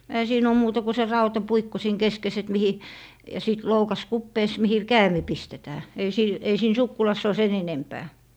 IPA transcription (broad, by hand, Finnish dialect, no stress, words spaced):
ehæ siːn oː muːtɑ ku se rɑutɑpuikːo siːn keskes et mihi jɑ siˑt loukɑs kupːeːs mihi kæːmi pistetæː ei siːn ei siːn sukːulɑsː oː sen enempæː